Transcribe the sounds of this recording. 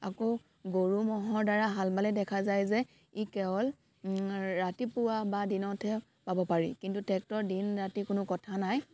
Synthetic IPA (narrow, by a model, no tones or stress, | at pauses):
a̰ko | ɡoɹumɔɦɔɹdaɹaɦalbalɛdɛkʰazajzɛ | ikɛɔl | ɹatipʊwabadinɔtʰɛ | pabɔpaɹḭkintutɛk̚tɔɹdinɹatikʊnʊkɔtʰanaj